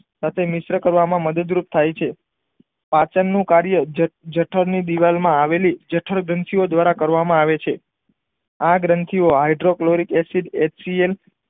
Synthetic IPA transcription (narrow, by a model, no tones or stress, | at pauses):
sat̪ʰemɪsɾəkəɾʋamãməd̪əd̪ɾup̚t̪ʰajt͡ʃʰe | pãt͡ʃənːũkaɾjəd͡ʒəʈʰəɾnid̪iʋalmãaʋelid͡ʒəʈʰəɾɡɾənt̪ʰiod̪ʋaɾakəɾʋamãaʋet͡ʃʰe | aɡɾənt̪ʰioɦaiɖɾokloɾikɛsiɖet͡ʃsiel